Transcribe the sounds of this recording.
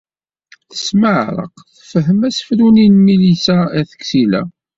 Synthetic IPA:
θə̥sməʕɾˤə̰qθəfəɦəmæsfɾuninmilisææθə̥ksilæ̰

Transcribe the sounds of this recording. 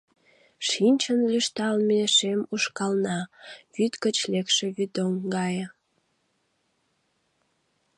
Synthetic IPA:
ʃinʲt͡ɕənlyʃt̪ɑlmeeʃemuʃkɑlnɑvyt̪kət͡ɕlekʃeβyd̪oŋɡɑjə

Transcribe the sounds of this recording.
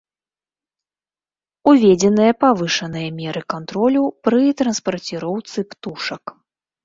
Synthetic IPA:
uvʲɛd͡zʲɛnɨjɐpavɨʂɐnɨjɐmʲɛɾɨkant̪ɾɔlʲupɾɨt̪ɾɐnspɐrt͡sʲiɾɔwt̪sɨpt̪uʂɐk

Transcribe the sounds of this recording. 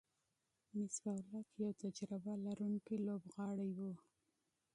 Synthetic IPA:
mɪsd̪awlat̪jawt̪ad͡ʒɾabalaɾuŋkilobɣɑɽajwu

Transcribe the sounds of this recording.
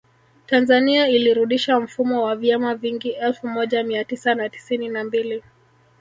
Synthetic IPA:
tanzaniailiɾuɗiʃam̩fumɔwavjamaviŋɡiʔɛlfumɔʄamiatisanati̥sininambili

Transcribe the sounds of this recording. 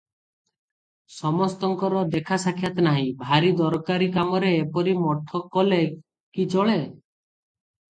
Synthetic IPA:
sɔmɔst̪ɔŋkɔɾɔd̪ekʰasakʰjat̪ɔnaɦĩbʱaɾid̪ɔɾɔkaɾikamɔɾeːpɔɾimɔʈʰɔkɔle | kit͡ʃɔɭe

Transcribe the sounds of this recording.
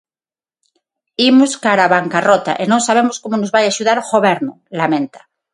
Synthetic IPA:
imoskaɾaβaŋkarot̪a̰ʔenõŋsaβemoskomonozβajaʃuð̞aɾxoβeɾnolamẽnt̪ḁ

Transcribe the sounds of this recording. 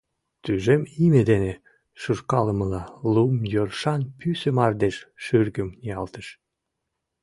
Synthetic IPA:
t̪yʒemimed̪ene | ʃuʃkɑləməlɑlumjorʃɑnpysəmɑrd̪eʃʃyrɡəmnɑlt̪əʃ

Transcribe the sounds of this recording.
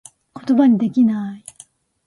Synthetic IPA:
ko̞t̪o̞baɲ̟id̪e̞kʲinai

